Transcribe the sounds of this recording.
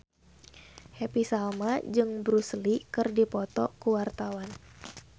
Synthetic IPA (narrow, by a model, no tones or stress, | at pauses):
hepisalmad͡ʒɨŋbɾuslikɨrdipɔt̪ɔkuwart̪awan